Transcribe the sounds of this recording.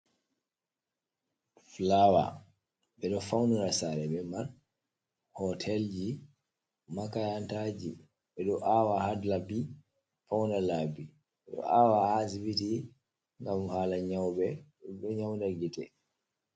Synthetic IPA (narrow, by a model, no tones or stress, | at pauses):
flawa̰ | ɓɛɗɔfawnuɾasaɾɛɓɛman | hɔtʰɛld͡ʒi | makajantad͡ʒi | ɓɛɗɔʔawahadlabi | fawnalabi | ɓɛɗɔ̰ʔawahasibiti | ŋɡamhaːlaɲawbɛ | ɗɔɲawndaɡitɛ